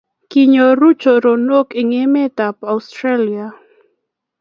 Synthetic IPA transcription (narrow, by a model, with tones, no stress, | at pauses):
ki˨ɲo˨ɾu˦t͡ʃo˨ɾo˨no˦kɪ˨ŋe˦mɛ˦ta˨pa˨ustɾa˦lia˨